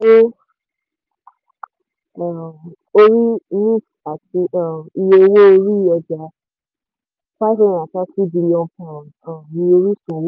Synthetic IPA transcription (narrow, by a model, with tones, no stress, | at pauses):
o˦˨ | o˧ɾi˦nĩ˦f | a˨ti˧ã˨i˧je˧wo˦o˧ɾi˦jɔ˧d͡ʒa˨˦ | fa˦sɔ̃˧˨a˨ta˨˦si˦di˧nĩ˧ɔ̃˧pã˨ | ã˨nĩ˧o˧ɾi˦sõ˨wo˦